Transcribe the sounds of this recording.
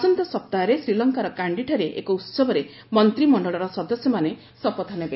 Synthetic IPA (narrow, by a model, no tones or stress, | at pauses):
sɔnt̪ɔsɔp̚t̪aɾesɾilɔŋkaɾɔkaɳɖiʈʰaɾeʔḛkɔut̪sɔbɔɾe | mɔnt̪ɾimɔɳɖɔɭɔɾɔsɔd̪ɔsjɔmane | sɔpɔt̪ʰanebe